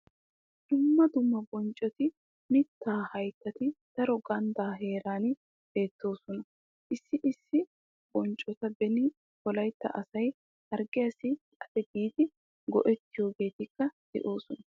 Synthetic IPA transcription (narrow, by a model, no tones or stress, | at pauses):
d̪̥ʊmːɐd̪ʊmːɐbɔnt͡ʃʼːɔt̪ɪ | mɪt̪ːaːhɐjt̪ːɐt̪ɪd̪̥ɐɾɔɡɐnd̪aːɦe̞ːɾaːn | b̥e̞ːt̪ːo̞ːsɔnɐ | ʔɪsːɪʔɪsːɪ | b̥ɔnt͡ʃʼɔt̪ɐbɛnɪ | bɔlɐjt̪ːɐ̰ʔɐsɐj | ɐɾɡɪjasɪkʼɐd̪̥ɛbiːd̪ɪ | ɡɔ̰ʔɛt̪ːɪjo̞ːɡe̞ːt̪ɪkːɐd̪̥ɛ̰ʔo̞ːsɔnɐ